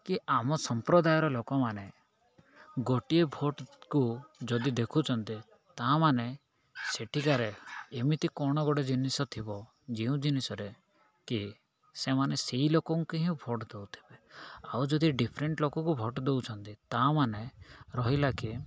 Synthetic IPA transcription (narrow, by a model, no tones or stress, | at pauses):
kiʔamɔsɔmpɾɔd̪ajɔɾɔlokɔmane | ɡoʈiebʱoʈkud͡ʒɔd̪id̪ekʰut͡ʃʰɔnt̪i | t̪amane | seʈʰikaɾeːmit̪ikɔɽ̃ɔɡɔɽed͡ʒinisɔt̪ʰibɔ | d͡ʒiũd͡ʒinisɔɾe | ki | semaneseilokɔŋkiɦĩũbʱoʈd̪ewt̪ʰi̥beawd͡ʒɔd̪iɖipʰɾeɳʈlokɔkubʱɔʈd̪ewt͡ʃʰɔnt̪it̪amaneɾɔɦilaki